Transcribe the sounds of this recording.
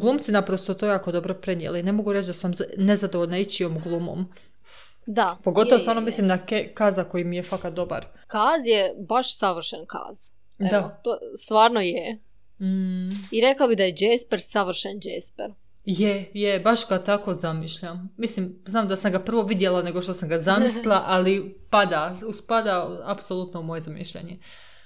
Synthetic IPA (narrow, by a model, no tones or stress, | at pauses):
ɡlˠuːmsinapɾost̪ot̪ojaːko̞d̪o̞bɾopɾe̞niḛleine̞mo̞ɡuɾet͡ʃd̪asamne̞zad̪oʋoʎʲnait͡ɕiomɡlˠuːmo̰m | d̪apo̞ɡo̞t̪oosaːɾnomislimd̪akekazako̞jimijefakad̪o̞ba̰ɾ | kaːzjebaʃsaʋr̩ʃenka̰ːz̥ | deaot̪ost̪ʋaːɾnoje | m̩h̩iɾeklˠabid̪ajed͡ʒeːspeɾsaʋr̩ʃend͡ʒespeɾ | jejebaʃɡat̪ako̞zamiʃʎamːislimznaːmd̪asamɡapr̩ʋo̞ʋid̪jelane̞ɡoʃt̪osamɡazamislˠaʔalipad̪auspad̪aapsolˠut̪noumoje̞zamḭʃʎḛɲe